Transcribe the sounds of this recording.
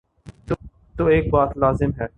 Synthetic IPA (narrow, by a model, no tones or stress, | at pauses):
t̪ | t̪oːeːkbaːt̪laːzɪmɦɛː